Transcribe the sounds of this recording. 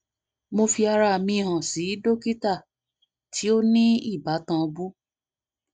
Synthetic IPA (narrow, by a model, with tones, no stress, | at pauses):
mo˧fi˧a˧ɾa˧˨mĩ˧˨hã˨si˨˦do˦ki˦ta˦˨ | tʰi˨˦o˦nĩ˦i˦˨ba˨˦tã˧bu˦